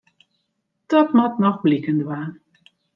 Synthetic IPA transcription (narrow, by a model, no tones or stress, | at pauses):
d̥ɔtmatnɔxblikəndwaːn